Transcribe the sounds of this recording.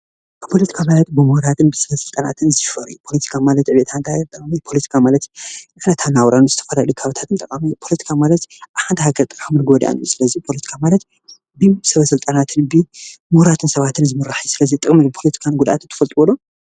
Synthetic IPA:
bɨpʰo̞lɐt̪ʰi̥kʰamalɐt̪bɨmuhɾat̪ʰɨnbɨsɐβɐsɨlt̪ʼana̰t̪ʰɨnzɨʃfɐɾɨ̰jupʰo̞lɐt̪ʰi̥kʰamalɐt̪ʕɨβet̪ʰant̪ʰant̪ʼɐkʼmipʰo̞lɐt̪ʰi̥kʰamalɐt̪ʔnɐt̪ʰanawɾanuzɨt̪ʰɐ̥fɐlalukʰaβɨt̪ʰat̪ɨnt̪ʼɐkʼamipʰo̞lɐt̪ʰi̥kʰamalɐt̪ʔaβħant̪ʰihaɡɐɾt̪ʼɨmɨnɡod̪ʔa̰njusɨlɐzipʰo̞lɐt̪ʰi̥kʰamalɐt̪ | bɨsɐβɐsɨlt̪ʼanat̪ʰɨnbɨmuhɾat̪ʰɨnsɐβat̪ʰɨnzɨmɨraħijsɨlɐzit̪ʼɨkʼmibɨpʰo̞lɐt̪ʰi̥kʰanɡud̪a̰t̪ɨnt̪ʰɐ̥fɐlt̪ʼwolo

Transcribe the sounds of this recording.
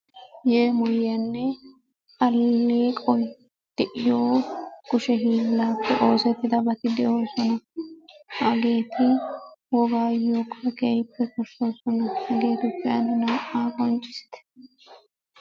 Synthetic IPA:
jeːmɔjːɐnːɛ | kʼɐlːeːkʼɔj | d̪̥ɛʔɪjoːɡʊʃɛɦiːlːaːpːɛʔo̞ːsɛt̪ːɪd̪ɐbɐt̪ɪd̪ɛjoːsɔnɐ | hɐɡe̞ːt̪ɪwɔɡaːjoːkɔkeːjpːɛkɔʃoːsɔnɐɐɡeːd̪ʊpːɪjanʊnɐʔaːkɔnt͡ʃʼːɪ̥sɪ̥t̪ɛ̥

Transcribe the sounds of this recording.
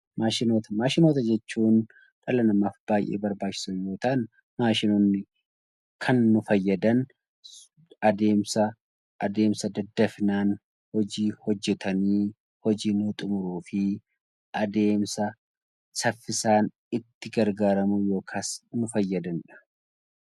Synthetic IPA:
maːʃɪnoːt̪ɐmaːʃɪno̞ːt̪ɐd͡ʒɛt͡ʃːuːn | ᶑɐlɐnɐmaːfb̥aːjʔḛːbɐɾbaːt͡ʃːɪ̥sɐjjo̞ːt̪aːn | maːʃɪnoːnːɪ | kʰɐnːʊfɐjːɐd̪ɐn | ɐd̪e̞ːmsɐ | ʔːd̪e̞ːmsɐd̪ɐd̪ːɐfnaːn | hɔd͡ʒiːhɔd͡ʒːɛt̪ʰɐniː | hɔd͡ʒiːnʊt̪ʼʊmʊɾuːfɪ | ʔɐd̪e̞ːmsɐ | sɐfːɪsaːn | ɪt̪ːɪɡɐɾɡaːɾɐmujo̞ːkʰasnʊfɐjːɐd̪ɐnᶑɐ̥

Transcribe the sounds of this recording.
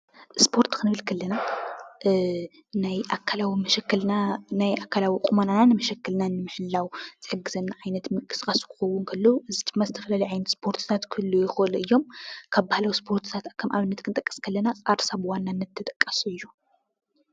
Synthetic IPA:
ʔspʰoɾt̪kɨnɨβɨlkʰɐlːɐna | najʔakʰːalawimɐʃɛkːlanajʔakʰːalawikʼumanananɨmɐʃɐkːɨlnanɨmɨħɨlːawz̥ɨħɨɡːɨzɐnːaʕajnɐt̪mɨkʼɨ̥skʼɐsu̥kʰɨ̥xɐwːʊnkʰɐlːɐuʔɨzɨt̪ʰɨmːazɨt̪ʰɐ̥fɐlaliʕajnɐt̪spʰo̞ɾt̪ʰt̪ʰat̪kʰɨlːujɪxɨʔɨluʔɨjːo̞mkʰaβbːahlawspʰo̞ɾt̪ʰt̪ʰat̪akʰːɐmʔa̰βnːɐt̪kʰɨnt̪ʼɐkʼːɐ̥skʰɐlːɐnakʼaɾsaβwanːanːɐt̪ʰːɐt̪ʼɐkʼːɐsɨjːu

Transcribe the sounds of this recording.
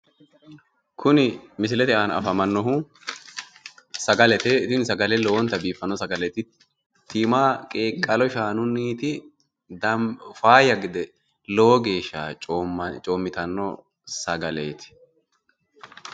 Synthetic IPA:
kʰʊnɪmɪs̬ɪlɛt̪ɪʔanɐ̰fɐmɐnːɔɦu | sɐɡɐlɛt̪ɛt̪ɪnsɐɡɐlɛlɔwɔnt̪ːɐbiːfɐnːɔsɐɡɐlɛt̪ɪ | t̪iːmaːkʼeːkʼːɐlɔʃaːnʊnːiːt̪ɪ | d̪ɐmfaːjɐɡɪd̪ɛ | lɔwɔɡe̞ːʃːa̰ːt͡ʃʼoːmːɪt̪ɐnːɔ̰ | sɐɡɐleːt̪ɪ̥

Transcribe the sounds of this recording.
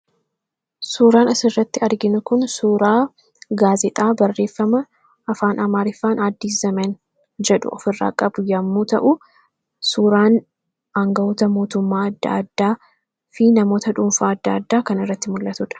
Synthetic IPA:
suːɾaːnɐsɪrːɐt̪ːɪɐɾɡɪnʊkʊnsuːɾaː | ɡaːzɛt̪ʼaːbɐrːe̞ːfːɐmɐ | ɐfaːnɐmaːɾɪfːaːnad̪ːiːzɐmɛn | d͡ʒɛᶑʊ̰ɔ̰fɪrːa̰ːkʼɐbʊjɐmːoːt̪ɐ̰ʔʊ | suːɾaːn | aŋɡɐɔt̪ɐmo̞ːt̪ʊmːaːɐd̪ːɐ̰ɐd̪ːaː | fɪnɐmo̞ːt̪ɐᶑuːmfaːɐd̪ːɐːd̪ːaːkɐnɪrːɐt̪ːɪmʊlːɐt̪ʊᶑɐ̥

